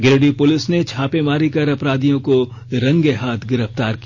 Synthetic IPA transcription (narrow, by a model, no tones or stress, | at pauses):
ɡɪɾɖipʊlɪsnet͡ʃʰaːpemaːɾikɐɾɐpɾaːd̪ijõko | ɾɐ̃ŋɡeɦaːt̪ʰɡɪɾəft̪aːɾki